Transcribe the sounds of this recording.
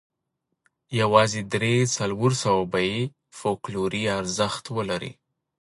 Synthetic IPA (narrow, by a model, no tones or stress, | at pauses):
jawɑzed̪ɾesalwoɾsawabaje | fokloɾiaɾzəxt̪wəlaɾḭ